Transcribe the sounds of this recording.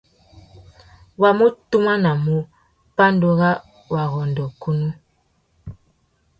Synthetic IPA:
wa˨mu˦tu˦ma˦na˨mu˦ | pa˦ndo˦ɣa˦ | wa˨ɣɔ˨ndɔ˨ku˦nu˦

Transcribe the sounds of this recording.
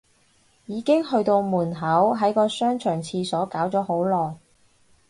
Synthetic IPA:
jiː˨˧kɪ˥ŋhɵ˧ɥt̪o˧wmuː˨˩nɦɐ˨˥wɦɐ˨˥jkɔː˧sœː˥ŋt͡ʃʰœː˨˩ŋt͡sʰiː˧sɔː˨˥kaː˨˥wt͡sɔː˨˥ho˨˥wlɔː˨j

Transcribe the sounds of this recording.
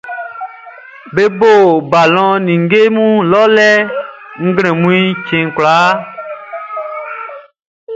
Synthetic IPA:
be˦bo˦˨ba˨lɔ̃˦nĩ˨ŋ˦ɡe˦mũ˦lɔ˦lɛ˦ŋ̩˦ɡl̃ɛ̃˨mũ˦i˦t͡ʃẽ˨ŋ˨kla˨˦

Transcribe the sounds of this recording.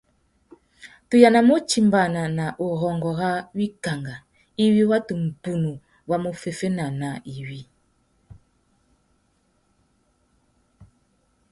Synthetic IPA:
tu˨ja˨na˨mo˦t͡ʃi˨mba˨na˨na˨ʔo˨ɣɔ˨ŋɡɔ˨ɣa˦wi˦ka˨ŋɡa˨ | i˦wi˦wa˦tu˨m̩˨pu˨nu˨ | wa˦mo˦fe˨fe˦na˨na˨i˨wi˦

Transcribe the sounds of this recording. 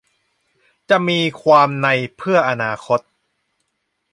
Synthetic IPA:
t͡ɕa˨˩miː˧kʰwaː˧mna˧jpʰɯ˥˩ɐʔa˧naː˧kʰo˦˥t̪̚

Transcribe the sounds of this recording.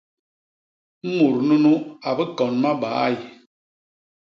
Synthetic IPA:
mu˨ɾnu˦nu˦a˨bə˦kɔ˨nma˦ba̰˨˦j

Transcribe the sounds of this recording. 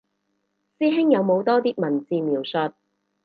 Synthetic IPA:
siː˥ɦɪ˥ŋjɐ˨˧wmo˨˧wt̪ɔː˥t̪iː˥k̚mɐ˨˩nt͡siː˧miː˨˩wsɵ˧t̚

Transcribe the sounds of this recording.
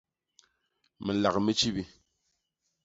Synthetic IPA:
me˨la˨kmi˦t͡ʃi˦bi˦

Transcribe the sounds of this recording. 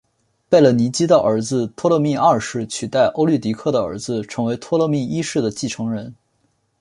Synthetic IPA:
pe˥˩ɪlə˩ni˧˥t͡ɕi˥d̪ə˧˩ʔə˞˧˥d͡zɹ̩˧t̪ʰwɔ˥lɤ˥˧mi˥˧a˥˩ʂɻ̩˥˩t͡ɕʰy˨˩t̪a˥˩ɪʔo˥ʊly˥˩t̪i˧˥kʰɤ˥˩d̪ə˩ə̰˞˧˥d͡zɹ̩˧ʈ͡ʂʰɤ˧˥ŋwe˧˥ɪt̪ʰwɔ˥lə˥˧mi˥˩i˥ʂɻ̩˥˩d̪ə˩t͡ɕi˥˩ʈ͡ʂʰɤ˧˥ŋɻə˧˥n

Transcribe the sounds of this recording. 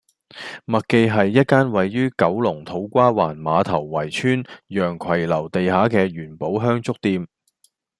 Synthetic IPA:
mɐ˨t̚ke˧jɦɐ˨jːɐ˥t̚kaː˥nwɐ˨jːyː˥kɐ˨˥wlʊ˨˩ŋt̪ʰo˨˥wkʷaː˥waː˨˩nmaː˨˧t̪ʰɐ˨˩wːɐ˨˩jt͡ʃʰyː˥njœː˨˩ŋkʰɐ˨˩jlɐ˨˩wt̪e˨jhaː˨˥kɛː˧jyː˨˩npo˨˥wɦœː˥ŋt͡sʊ˥k̚t̪iː˧m

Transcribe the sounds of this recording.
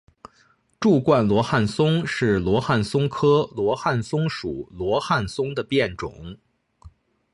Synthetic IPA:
ʈ͡ʂu˥˧kwa˥˩nlwɔ˧˥xa˥˩nsʊ˥ŋʂɻ̩˥˩lwɔ˧˥xa˥˩nsʊ˥ŋkʰɤ˥lwɔ˧˥xa˥˩nsʊ˥ŋʂu˨˩˦lwɔ˧˥xa˥˩nsʊ˥ŋd̪ə˨pjɛ˥˩nʈ͡ʂʊ̰˨˩˦ŋ

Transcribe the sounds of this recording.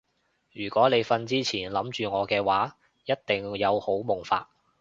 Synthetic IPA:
jyː˨˩kʷɔː˨˥ne˨˧jfɐ˧nt͡siː˥t͡sʰiː˨˩nlɐ˨˥mt͡ʃyː˨ŋɔː˨˧kɛː˧waː˨˥ | jɐ˥t̚t̪ɪ˨ŋjɐ˨˧who˨˥wmʊ˨˩ŋfa̰ː˧t̚

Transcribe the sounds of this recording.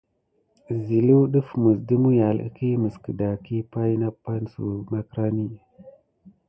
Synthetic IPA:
zi˨lu˦ɗə˦fmə˨sdə˦mu˦ja˨lə̰˦ki˦mə˨skə˨da˨ki˦pa˦jna˦pːa˦nsṵ˨ma˦kɾa˦ni˦

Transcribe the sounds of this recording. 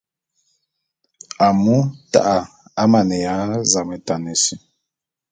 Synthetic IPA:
a˨mu˦ta̰˦ʔa˨ | a˦ma˨nɛ˨ja˨˦za˨mɛ˨ta˨nɛ˨si˦

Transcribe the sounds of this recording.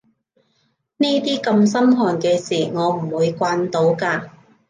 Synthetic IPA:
niː˥t̪iː˥kɐ˧msɐ˥mɦɔː˨˩nkɛː˧siː˨˩ŋɔː˨˧m̩˨˩wuː˨˧jkʷaː˧nt̪o˨˥wkaː˧

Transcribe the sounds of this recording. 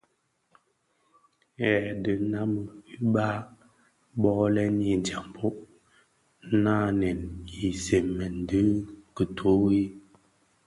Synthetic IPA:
ɛ˨də˨˦na˦mə˨i˦ba˦ | bɔ˦lɛ˦ni˨n̩˨ta˨m˨pʰo˦ʔ | na˦˨nɛ˨ni˨se˨mːɛ˨n˨də˦kə˨tʰo˨˦wi˦

